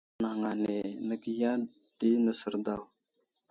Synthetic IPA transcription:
na˨ŋa˨ne˨nə˨ɡi˦ja˦ | d̥i˦nə˨sə˨ɾda˨w

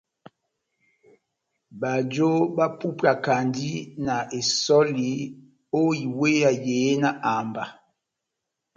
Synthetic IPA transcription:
ba˨d͡ʒo˦ba˦pu˦pa˨ka˨ndi˦na˨ʔe˨sɔ˦li˨ | o˦i˨we˦ja˨jeː˨˦na˨ʔa˨mba˨

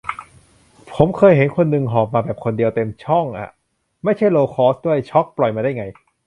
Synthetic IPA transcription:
pʰo˩˦mkʰɤː˧jɦe˨˩˦nkʰo˧nːɯ˧ŋɦɔː˨˩p̚maː˧bɛː˨˩p̚kʰo˧ndi˧əwt̪e˧mt͡ɕʰɔ˥˩ŋʔa̰˨˩ | ma˥˩jt͡ɕʰa˥˩jloː˧kʰɔː˥˩sdu˥˩əjt͡ɕʰɔ˦˥k̚plɔ˨˩jmaː˧da˥˩jŋa˧j

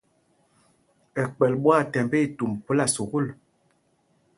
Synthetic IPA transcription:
ɛ˨k͡pɛ˨lɓwa˦˨tɛ˨mbe˦i˦˨tu˨mpo˦la˦˨su˨ɣu˦l

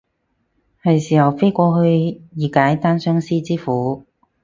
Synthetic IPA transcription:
hɐ˨˩jsiː˨˩hɐ˨˩wfe˥kʷɔː˧hɵ˧ɥjiː˨kaː˨˥jt̪aː˥nsœː˥ŋsiː˥t͡siː˥fuː˨˥

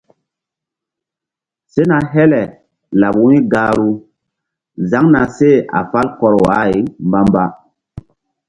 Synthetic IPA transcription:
se˦na˨ɦɛ˦lɛ˨ | la˨ɓu˦i˦ɡaː˦ɾu˦ | za˦ŋna˨se˦a̰˨fa˦lkɔ˦ɾwa̰˨˦i˨mba˦mba˦

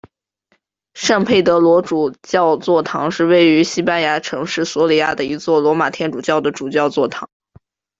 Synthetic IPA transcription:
ʂa˥˧ŋpʰe˥˩ɪt̪ɤ˧˥lwɔ˧˥ʈ͡ʂu˨˩t͡ɕjɑ˥˧ʊt͡swɔ˥˩t̪ʰɑ˧˥ŋʂɻ̩˥˧we˥˩ɪy˧˥ɕi˥pa˥nja˧˥ʈ͡ʂʰɤ˧˥ŋʂɻ̩˥˩swɔ˧˥li˨˥ja̰˥˩d̪ə˩i˧˥t͡swɔ˥˩lwɔ˧˥ma˨˩t̪ʰjɛ˥˩nʈ͡ʂu˨˩t͡ɕjɑ˥˩ʊd̪ə˩ʈ͡ʂu˨˩t͡ɕjɑ˥˧ʊt͡swɔ˥˩t̪ʰɑ˧˥ŋ

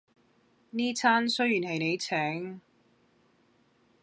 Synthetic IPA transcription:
niː˥t͡sʰaː˥nsɵ˥ɥjyː˨˩nhɐ˨jne˨˧jt͡sʰɛː˨˥ŋ

